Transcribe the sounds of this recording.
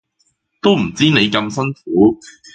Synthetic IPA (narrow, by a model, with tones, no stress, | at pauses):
t̪o˥wm̩˨˩t͡siː˥ne˨˧jkɐ˧msɐ˥nfuː˨˥